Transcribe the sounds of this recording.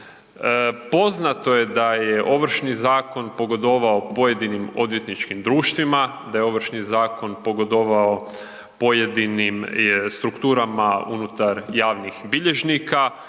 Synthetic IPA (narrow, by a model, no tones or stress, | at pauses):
po̞znat̪o̞je̞d̪ajeʔo̞ʋɾ̩ʃnizaːko̞npo̞ɡo̞d̪o̞ʋaopo̞je̞d̪inimo̞d̪je̞t̪nit͡ʃkimd̪ɾuːʃt̪ʋima | d̪ajeo̞ʋɾ̩ʃnizaːko̞npo̞ɡo̞d̪oʋao | po̞jed̪inimst̪ɾukt̪uːɾamaṵnut̪aɾjaːʋnixbiʎeʒnika